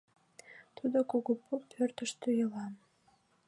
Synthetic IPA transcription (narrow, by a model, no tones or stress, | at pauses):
t̪ud̪okuɣopʰupʰørt̪əʃt̪yjəlɑm